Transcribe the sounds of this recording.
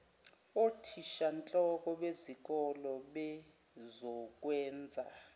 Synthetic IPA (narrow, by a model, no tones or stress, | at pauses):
otʰiʃant͡ɬʼɔk̬ʼɔɓezik̬ʼɔlɔɓɛ | zɔk̬ʼwɛːnd͡zʱa̰